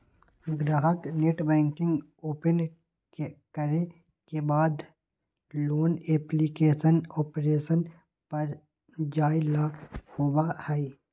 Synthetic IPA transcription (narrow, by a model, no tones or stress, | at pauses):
ɡɾaːɦəkneʈbɛ̃ːŋkɪ̃ŋɡ | oːpən | kəɾe | kebaːd̪ | loːneːplikeːʃənɔːpɾeːʃən | pɐɾ | d͡ʒaːilahoːwahɛi